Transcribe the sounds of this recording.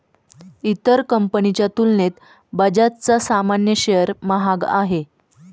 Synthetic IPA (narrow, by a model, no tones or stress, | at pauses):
it̪əɾkəmpənit͡ɕjat̪ulnet̪ | bəd͡ʑat̪̚t͡sasamanjəɕeəɾməɦaɡa̰ɦe